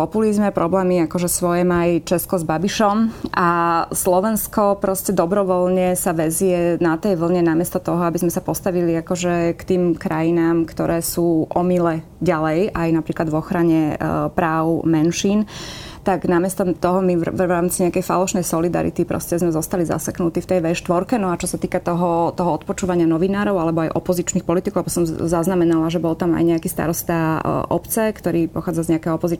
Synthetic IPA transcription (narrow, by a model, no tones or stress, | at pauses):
pɔpulizmɛpɾɔblɛːmiakɔʒɛsʋɔjɛmajt͡ʃɛskɔzbabiʃɔmʔaslɔʋɛnskɔpɾɔscɛd̪ɔbɾɔʋɔlɲɛsaʋɛzɛnat̪ɛjʋl̩ˠɲɛnamɪɛst̪ɔt̪ɔɦɔabizmɛsapɔst̪aʋiliakɔʒɛkt̪iːmkɾajinaːmkt̪ɔɾʔɛːsuːʔɔmilɛ | ɟalɛjʔajnapɾiːklad̪vɔxɾaɲɛpɾaːʊmɛnʃiːnt̪aɡnamɪɛst̪ɔt̪ɔɦɔmiɾaːmt͡siɲɛakɛjfa̰lɔʃnɛjsɔlid̪a̰ɾḭt̪ipɾɔ̰scɛzmɛzɔst̪aliza̰saknut̪iːft̪ɛjʋɛʃt̪ʋɔɾkɛnɔat͡ʃɔsat̪iːkat̪ɔɦɔt̪ɔɦɔɔt̪̚pɔt͡ʃuːʋaɲɪanɔʋinaːɾɔʊalɛbɔajʔɔ̰pɔzit͡ʃniːxpɔlit̪ikɔʊabɔsɔmzaznamɛnalaʒɛbɔlt̪ama̰jɲɛakiːst̪a̰ɾɔst̪aʔɔ̰pt͡sɛkt̪ɔɾiːpɔxaːd͡zazɲɛakɛɦɔpɔzi